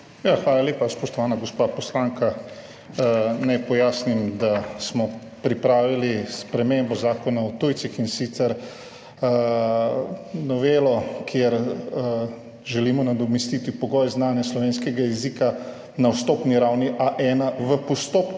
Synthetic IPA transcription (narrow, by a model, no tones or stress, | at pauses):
jaxʋaːlaleːpaspɔʃt̪ɔʋaːnaɡospapɔslaːŋka | najpɔjaːsnimd̪asmɔ | pɾipɾaːʋilispɾɛmembɔzaːkɔnaɔt̪ujt̪sixinsit̪sɛɾ | nɔʋeːlɔkʰjeɾ | ʒɛlimɔnad̪ɔmɛst̪it̪ipɔɡɔjznaːnjaslɔʋeːnskɛɡajɛziːka | nawst̪oːpniɾawniʔaʔɛnaʋəpɔst̪opk